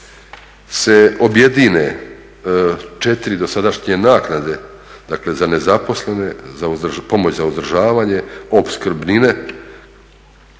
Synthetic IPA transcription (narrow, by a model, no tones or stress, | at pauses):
se̞o̞bje̞d̪ine̞ | t͡ʃet̪iɾid̪o̞sad̪aʃɲe̞naːknad̪e̞ | d̪̥akle̞zane̞zapo̞sle̞ne̞zaupo̞mo̞t͡ɕzauzd̪rʒaːʋaːɲe̞o̞pskr̩bnine̞